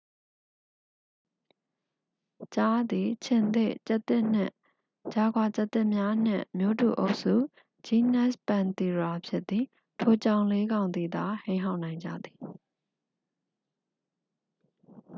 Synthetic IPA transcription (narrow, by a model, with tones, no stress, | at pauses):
t͡ɕa˦d̪i˨t͡ɕʰɪ̃˨nd̪ɪ̰˦˨ʔt͡ɕɛ˦ʔt̪ːɪ˦ʔn̥ɪ̰̃˦˨ | t͡ɕa˨ɡwa˨t͡ɕa˦ʔt̪ːɪ˦ʔmja˦n̥ɪ̰̃˦˨mjo˦tṵ˨ʔo˦ʊʔsṵ˦˨ | d͡ʑi˦nɛ˦˨spã˨nt̪i˨ɹa˨pʰjɪ˦ʔt̪ːi˨ | tʰo˨t͡ɕã˦ʊ̃le˦ɡã˨ʊ̃nd̪ði˨d̪a˨hẽ˦ɪ̃ɦa˦ʊʔnã˨ɪ̃ɲd͡ʑa̰˦˨d̪i˨